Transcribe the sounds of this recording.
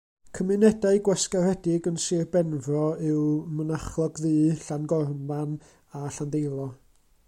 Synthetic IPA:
kʰəmɪnɛdaɨɡwɛskarhɛdɪɡənsɨrbɛnvrɔɪwmənaχlˠɔɡðɨːɬanɡɔrman | aɬandejlˠɔ

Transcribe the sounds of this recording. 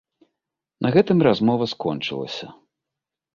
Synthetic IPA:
nʔɐɣɛt̪ɨmrazmɔvɐskɔnt͡ʂɨlˠɐ̰sʲɐ

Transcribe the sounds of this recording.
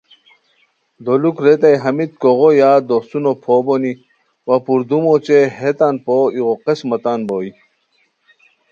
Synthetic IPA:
d̪olukɾet̪ɐjɦɐmit̪̚koʁojaːd̪osunopʰoːboni | wɐpuɾd̪umot͡ɕeɦet̪anpoiɣoqesmɐt̪anboːi

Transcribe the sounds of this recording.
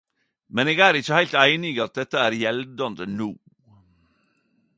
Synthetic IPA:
mɛneːɡæːɾɪçəhæɪlt̪æɪnɪɡɑt̪̚d̪ɛt̪ːəæːɾjɛld̪ɑnd̪ənuː

